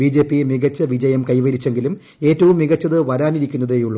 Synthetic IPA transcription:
iːd͡ʑe̞ːpːimiɣɐt͡ɕːɐʋid͡ʑɐjɐmkɐjʋɐɾit͡ɕːe̞ŋɡilum | e̞ːtːɐʋumːiɣɐt͡ɕːɐðɨʋɐɾaːniɾikʲːunːɐðeːjuɭːɐ

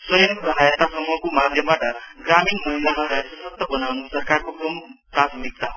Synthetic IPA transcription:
sʌjʌŋɡɦajət̪asʌmuʌkomad̪ʱjʌmwaʈʌɡɾaminmʌɦilaɾɦajasʌsʌk̚t̪ʌbʌnawnusʌɾkarkokompɾat̪mik̚t̪aɦ

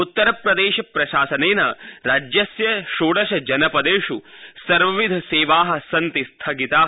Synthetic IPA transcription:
ut̪ːɐɾɐpɾɐd̪eːʃɐpɾɐʃaːsɐneːnɐɾaːd͡ʒjɐsjɐʃoːɽɐʃɐd͡ʒɐnɐpɐd̪eːʂusɐɾʋɐʋid̪ʱɐseːʋaːɦɐ̆sɐnt̪ist̪ʰɐɡit̪aː

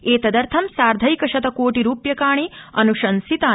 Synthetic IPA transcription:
eːt̪ɐd̪ɐɾt̪ʰɐmsaːɾd̪ʱɐjkɐʃɐt̪ɐkoːʈiɾuːpjɐkaːɳ̃iɐnuʃɐnsit̪aː

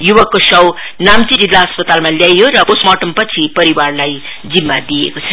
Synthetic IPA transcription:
jubʌkːosʌw | namt͡siɾilːaɦʌspʌt̪almaljajjoɾʌposmʌʈʌmpʌt͡sʰipʌɾiwarlaj | d͡zimːad̪iḛkot͡sʰʌ

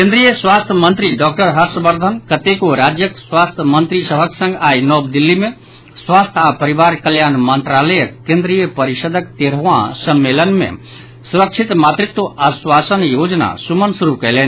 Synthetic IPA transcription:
kẽnd̪ɾijəsʋaːst̪ʰjəmə̃nt̪ɾiɖɔːk̚ʈəɾɦəɾsəbəɾd̪ʱənkət̪ekoɾaːd͡ʒjəksʋaːst̪ʰəmə̃nt̪ɾisəbʱəksə̃ŋɡaːinɔːbd̪ilːimẽ | sʋaːst̪ʰapəɾiʋaːɾkəljaːnmənt̪ɾaːləjəkkːẽnd̪ɾijəpəɾiʃəd̪ʱəkt̪eɾəʋãsəmːelənmḛ̃ | suɾəkʃʰit̪maːt̪ɾɪt̪wəʔaswaːsənjoːd͡ʒna̰sumənsuɾukɛɦleːn

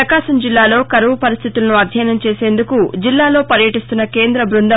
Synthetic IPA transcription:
ɐkaːsɐmd͡ʒilːaːlo̞ːkɐɾɐʋupɐɾist̪ʰit̪ulɐnuɐd̪ʱjɐːjnɐmt͡ʃe̞ːseːnd̪ukud͡ʒilːaːlo̞ːpɐɾjɐʈist̪unːɐke̞ːnd̪ɾɐbɾund̪ɐ

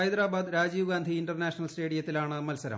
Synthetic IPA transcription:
ɐjd̪ɾaːbaːd̪ɾaːd͡ʑiːʋɡaːnd̪ʱiːɳɖɐrnaːʂɐnɐlsʈe̞ːɽijɐt̪ːilaːɳɨmɐlsɐɾɐ̰m

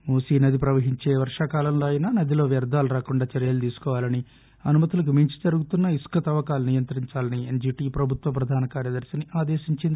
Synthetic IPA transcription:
muːsiːnɐd̪ʱipɾɐʋɐɦiɲt͡ʃe̞ːʋɐɾʂaːkaːlɐmloːɐjinaːnɐd̪ilo̞ːʋjɐɾd̪aːluɾaːkuɳɖaːt͡ʃɐɾijɐːlut̪iːsu̥kɔːʋaːlɐni | ɐnumɐt̪ulɐk̬umiɲt͡ʃi̥d͡ʒɐɾuɡut̪unːɐiskɐt̪ɐʋɐkaːlnijɐnt̪ɾiɲt͡ʃaːlɐniend͡ʒiːʈiːpɾɐbʱut̪ʋɐpɾɐd̪ʱaːnɐkaːɾjɐd̪ɐɾsɐniʔaːd̪eːʃiɲt͡ʃind̪

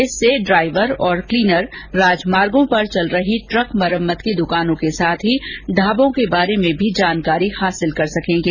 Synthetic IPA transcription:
ɪsːeɖɾaːɪʋəɾɔːɾkliːnəɾːaːd͡ʒmaːɾɡõpɐɾt͡ʃɐlɾɐɦiʈɾəkmɐɾəmːət̪kid̪ʊkaːnõkesaːt̪ʰɦiɖʱaːbõkebaːɾemẽbʱid͡ʒaːnkaːɾihaːsɪlkɐɾsɐkẽːŋɡeː

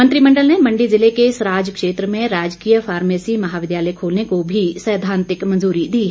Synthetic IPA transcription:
mɐ̃nt̪ɾimɐ̃ɳɖəlnemɐ̃ɳɖizɪlekeɪsɾaːd͡ʒkʃeːt̪ɾəmẽɾaːd͡ʒkijəfʰaːɾmeːsimɐɦaːʋɪd̪jaːləjkʰoːlnekobʱisəːd̪ʱãːnt̪ɪkmɐ̃nzuːɾid̪iːɦɛ

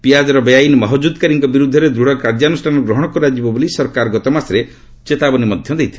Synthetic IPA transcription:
pijad͡ʒɔɾɔbejajnmɔɦɔd͡ʒud̪kaɾiŋkɔbiɾud̪ʱːɔɾed̪ɾuɽɔkaɾd͡ʒanusʈʰanɔɡɾɔɦɔɽ̃ɔkɔɾad͡ʒibɔbulisɔɾkaɾɔɡɔt̪ɔmasɾe | t͡ʃet̪abɔnimɔd̪ʱjɔd̪ejt̪ʰi

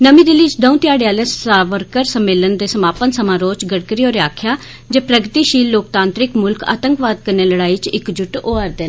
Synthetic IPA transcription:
nəmĩːd̪ɪlit͡ʃd̪ə̃ũt̪ɪjaːɽjaːlesaʋəɾkəɾsəmːeːlənd̪eːsəmaːpənsəmãːɾoːt͡ʃɡəɽkəɾioːɾeaːkʰjaː | d͡ʒeːpɾəɡt̪iːʃiːlːoːk̚t̪ãːnt̪ɾɪkmʊlka̰ːt̪əŋkʋaːd̪̚kəɾneːləɽaːiːt͡ʃɪkd͡ʒʊʈoːəɾd̪en

